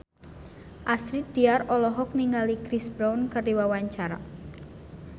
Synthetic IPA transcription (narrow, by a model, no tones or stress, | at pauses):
ʔast̪ɾit̪̚d̪̥iaɾɔlɔɦɔk̚niŋɡalikɾisbɾawnkərdiwawaɲt͡ʃaɾa̰